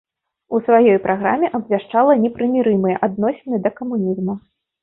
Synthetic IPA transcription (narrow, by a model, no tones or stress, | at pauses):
usvajɔjpɾʔaɣɾa̰mʲɛʔɐbvʲaʂt͡ʂalˠɐnʲɛpɾɨmʲiɾɨmɨjɛʔad̪̚nɔsʲɛnɨd̪ɐkɐmunʲizmu